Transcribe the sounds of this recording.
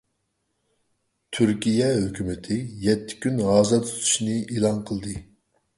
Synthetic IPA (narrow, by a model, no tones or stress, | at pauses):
t̪ʰyɾkʲijɛɦøkʲymɪt̪ʰɪjɛt̪ʰːɪ̥kʲynɦɑːzɑt̪ʰy̥t̪ʰu̥ʃnɨiːlˠɑnqʰəlˠd̪ɨ